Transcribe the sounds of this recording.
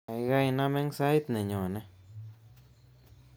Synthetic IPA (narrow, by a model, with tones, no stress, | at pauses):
a˧jɡa˦˧jna˦me˦ŋsa˦jt̪ne˨ɲo˨ne˧